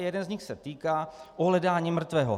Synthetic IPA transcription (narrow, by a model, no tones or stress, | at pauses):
jɛdɛnzɲɪxsɛt̪iːkaːʔoɦlɛdaːɲiːmr̩t̪vɛːɦo̰